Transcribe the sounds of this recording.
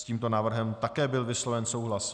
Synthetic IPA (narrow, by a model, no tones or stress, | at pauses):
sciːmt̪o̞naːvr̩ɦɛmt̪akɛːbɪlvɪslovɛnso̞wɦlas